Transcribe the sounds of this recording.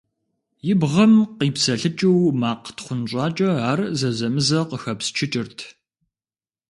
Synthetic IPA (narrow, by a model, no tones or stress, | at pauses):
jɪbʁɐmqiːpsɐɬɨt͡ʃʼɨwmaːqtχʷʊnɕʷʼɑːt͡ʃʼɐaːrzɐzɐmɨzɐqəxɐpst͡ʃʰɪt͡ʃʼɪrtʰ